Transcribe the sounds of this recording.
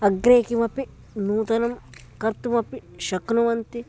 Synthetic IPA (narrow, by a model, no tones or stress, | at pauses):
ɐɡɾeːkimɐpi | nuːt̪ɐnɐm | kɐɾt̪umɐpːiʃɐknuʋɐnt̪i